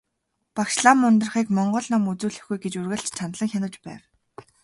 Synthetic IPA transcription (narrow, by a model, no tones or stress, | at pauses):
pakʃɮamʊnt̪ɞ̆r̆χiːkmɔɴɢɞ̆ɮnɔmut͡suːɮɘ̆xɡujɡet͡ɕurɣɘ̆ɬt͡ɕt͡ɕʰanɮə̆ŋxʲanə̆t͡ɕpæ̰ːw